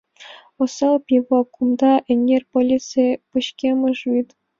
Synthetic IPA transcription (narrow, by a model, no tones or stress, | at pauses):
ŏsɑlˠpʲiʋɑkʰumd̪ɑʔɘ̆nʲːerʲpolʲitsɨpɯɕkʲemɘ̆ʐit̪